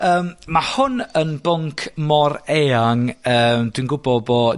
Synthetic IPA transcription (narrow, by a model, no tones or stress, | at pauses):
əːmmahʊnənbʊŋkʰmɔɾeaŋəːmd̥winɡʊbɔbɔ